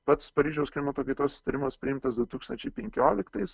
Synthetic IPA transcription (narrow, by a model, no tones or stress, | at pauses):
pɐt̪spɐɾʲiːʒʲɛʊsklʲɪmɐt̪oːkɐɪt̪oːsʊsʲɪt̪ɐɾʲɪmɐspʲɾʲɪɪmt̪ɐsd̪ʊt̪uːkst̪ɐnʲt͡ʃʲɛɪpʲɛŋʲkʲoːlʲɪkt̪ɐɪs